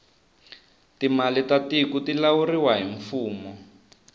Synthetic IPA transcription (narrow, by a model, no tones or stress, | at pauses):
timalitatikutilawuriwaɦiɱfuːmɔ